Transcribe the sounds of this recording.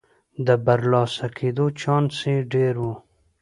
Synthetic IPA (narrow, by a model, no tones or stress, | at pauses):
d̪əbaɾlɑsakʰed̪ot͡ʃɑnsẽɖeɾwu